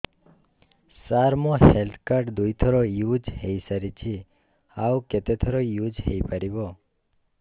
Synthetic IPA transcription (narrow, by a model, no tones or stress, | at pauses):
saɾmohelt̪ʰkaɾɖd̪ujt̪ʰɔɾojud͡ʒɦejsəɾit͡ʃʰi | awket̪et̪ʰəɾojud͡ʒɦejpəɾibo